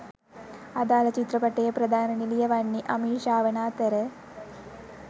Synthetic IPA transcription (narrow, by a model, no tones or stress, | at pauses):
ɐd̪aːlɐt͡ɕit̪ɾɐpɐʈːɐjɐpɾɐd̪ʱaːnɐnilijɐʋɐɳːiʔɐmiːʂaːʋɐnaːt̪ɐɾe